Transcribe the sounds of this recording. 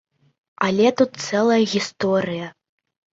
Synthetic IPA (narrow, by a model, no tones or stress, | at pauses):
alʲɛt̪ut̪̚sɛlˠɐjɐɣʲist̪ɔɾɨjɐ